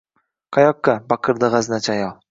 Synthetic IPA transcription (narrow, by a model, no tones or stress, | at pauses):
qʰajɒkːabaqʰɨɾd̪aʁaznat͡ʃʰajɒlˠ